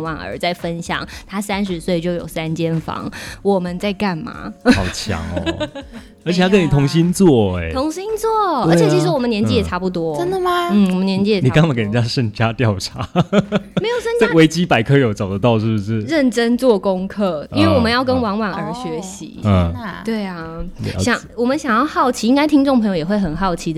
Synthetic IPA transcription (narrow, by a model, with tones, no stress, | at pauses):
ŋwa˨˩nə̰˧˥t͡sa˥˩ɪfə˦˥nɕjɑ̰˨˩˦ŋt̪ʰa˥sa˦˥nʂ̬ɻ̩˨˧˥swe˥˧ɪt͡ɕjo˥˩ʊjo˨˩ʊsa˥nt͡ɕjɛ˥nfɑ̰˧˥ŋwɔ˨˩mə˦nt͡sa˥˧ɪka˥˩nma̰˩ɑ˨˩ʊt͡ɕʰjɑ̰˨˧˥ŋɔ̰˧˦ | ə˞˧˥t͡ɕ̪ʰa˥ə˥ni˨˩t̪ʰʊ˧˥ŋɕi˥nt͡swɔ˥˩ḛ˨˩˦ʊ˧˥ŋɕi˥nt͡swɔ˥˩ə˞˧˥t͡ɕjt͡ɕʰi˧˥ʂ̩˧wɔ˨mə˦njɛ˧˥nt͡ɕi˥jɛ˨˩ʈ͡ʂʰa˥pu˥˧˩t̪wɔ˥ə˦˥nd̪ə˨ma˧n̩˥˩wɔ˨˩mə˦njɛ˧˥nt͡ɕi˥jni˨˩ka˥˧ŋma˥˩ke˧˩ə˨˩ja˦˥ʂə˥˧˩ŋt͡ɕja˦t̪jɑ˥˨˩ʊʈ͡ʂʰa˧˥˦me˧˥ɪjʊə˥˧nt͡sa˥˩˥ɪwe˧˥ɪt͡ɕi˥pa˨˩ɪkʰɤ˥jo˨˩ʊt͡so˨˩ʊd̪ə˦t̪ɑ˥˧ʊʂɻ̩˥˩bu˧˩ʂɻ̩˥˩ɻə˥˨˩nʈ͡ʂə˦nt͡swɔ˥˨kʊ˦ŋkʰɤ˥˩i˥nwe˥˩wɔ˨˩mə˦njɑ˥˩ʊkə˦nwɑ˧˥ŋwa˨˩nə˞˧˥ɕɥɛ˧˥ɕḭ˧˦ə˧˩t̪we˥˩ɪa˨˩ɕjɑ˨˦ŋwɔ˨˩mə˦nɕjɑ˨˩ŋjɑ˥˧ʊxɑ˥˩ʊt͡ɕʰi˧i˦ŋka˥ɪt̪ʰi˥ŋʈ͡ʂʊ˥˩ŋpʰjo˧ʊjɛ˨˩xwe˥˩ɪxə˨˩nxɑ˥˩ʊt͡ɕʰi˧˥d̪